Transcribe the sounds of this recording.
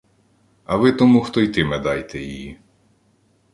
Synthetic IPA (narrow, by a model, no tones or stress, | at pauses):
ɐʋɪt̪ɔmuxt̪ɔjt̪ɪmɛd̪ɑjt̪ɛjiji